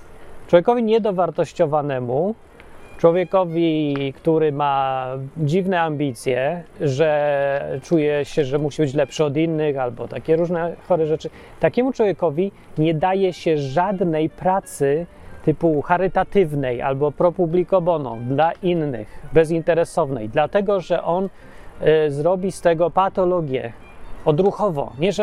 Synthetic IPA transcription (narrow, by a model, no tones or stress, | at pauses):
t͡ʂwɔvʲjekɔvʲiɲɛd̪ɔvaɾt̪ɔɕt͡ɕɔvanɛmu | t͡ʂwɔvʲjɛkɔvʲikt̪uɾɘma | d͡ʑivnɛambʲit̪sʲjɛʐɛ | t͡ʂujɛɕɛʐɛmuɕibɘt͡ɕlɛpʂɘɔd̪inːɘxalbɔt̪akʲɛɾuʐnɛxɔɾɛʐɛt͡ʂɘ | t̪akʲɛmut͡ʂwɔvʲjɛkɔvʲi | ɲɛd̪ajɛɕɛʐad̪nɛjpɾat̪sɘt̪ɘpuxaɾɘt̪at̪ɘvnɛjʔa̰lbɔpɾɔpublʲikɔvɔnɔ̰̃w̃d̪laʔinːɘ̰xbɛzint̪ɛɾɛsɔvnɛ̰jd̪lat̪ɛɡɔʐɛʔɔn | zɾɔbʲist̪ɛɡɔpat̪ɔlɔɡʲjɛ̰ | ɔd̪ɾuxɔvɔ̰ɲɛʐɛ